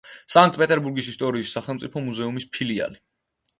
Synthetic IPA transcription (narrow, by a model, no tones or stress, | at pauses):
sãŋk̚t̪̚pʼɛt̪ʼɛɾbuɾɡisist̪ʼɔɾiːsːaχɛlˠmt̪sʼipʰɔmuzɛumispʰilia̰li